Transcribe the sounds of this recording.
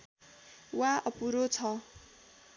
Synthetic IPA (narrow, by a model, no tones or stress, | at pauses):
waʔʌpuɾot͡sʰʌ